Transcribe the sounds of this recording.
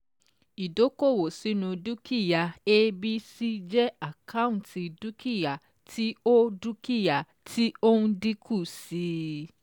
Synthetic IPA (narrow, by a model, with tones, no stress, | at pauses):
i˨do˨˦ko˦˨wo˨si˨˦nũ˧du˦ki˦˨ja˨e˦bi˦si˦d͡ʒɛ˦a˦˨ka˦ũ˦˨ti˧du˦ki˦˨ja˨ | tʰi˦o˦du˦ki˦˨ja˨ | tʰi˦o˦nũ˦di˦kʰu˦˨si˨˦